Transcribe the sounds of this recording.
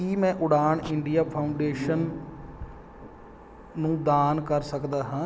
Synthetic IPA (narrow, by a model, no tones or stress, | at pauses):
kiːmɛ̃ːʔʊɽaːɳɪɳɖijaːpʰaːʊɳɖeːʃən | ũːd̪aːnkəɾsəkd̪aːɦãː